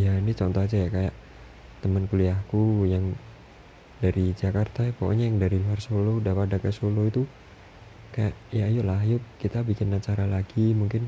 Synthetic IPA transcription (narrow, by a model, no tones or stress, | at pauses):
jainit͡ʃɔnt̪ɔɦad͡ʒajakajaʔ | t̪əmənkuliahkujaŋ | daɾid͡ʒakart̪apoko̰ɲajaŋdaɾiluɦarsolodapadakasoloit̪u | kajaʔjajʊʔlaɦjʊʔkit̪abikɪnːat͡ʃaɾalaɡimuŋkɪn